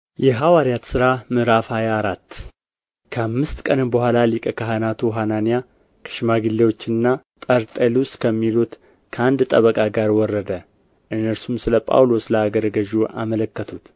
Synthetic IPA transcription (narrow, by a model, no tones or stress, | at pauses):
jɛɦawaɾijat̪sɨɾamɨɾafhajaɾat̪ː | kʰəamːɨst̪kʼənɨmbəhʷalalikʼəkʰaɦanat̪ʰuɦananija | kʰə̥ʃɪmaɡilːewo̞t͡ʃːɪnːa | t̪ʼəɾt̪ʼeluskʰəmːilut̪ | kʰəand̪t̪ʼəβəkʼaɡaɾwɔrːəd̪ə | ʔɨnːəɾsumsɨləpʼa̰wlo̞sləaɡəɾɡəʒuʔa̰mələkːət̪ʰut̪